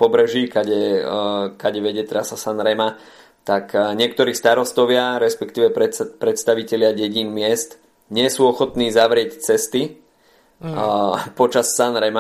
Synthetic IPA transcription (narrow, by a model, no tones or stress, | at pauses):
pɔbɾɛʒiːkaɟɛ | kaɟɛʋɛɟɛt̪ɾasasanɾɛma | t̪akɲɪɛk̚t̪ɔɾiːst̪aɾɔst̪ɔʋɪaɾɛspɛkt̪iːʋɛppɾɛt̪st̪aʋicɛʎɪaɟɛɟiːnmɪɛst̪ | ɲɪɛsuːɔxɔt̪niːzaʋɾɪɛct͡sɛst̪i | pɔt͡ʃasːanɾɛma